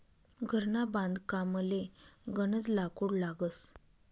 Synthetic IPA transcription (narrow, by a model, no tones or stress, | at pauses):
ɡʱəɾnabãnd̪kaməleɡəɳ̃ət͡slakuɽlaɡəs